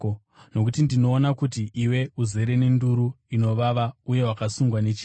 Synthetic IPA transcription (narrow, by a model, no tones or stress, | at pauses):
no̞k̬utindino̞ːnakutiʔiwe̞uze̞ɾe̞nenduɾu | ino̞ʋaʋauje̞wakasuŋɡwanet͡ʃi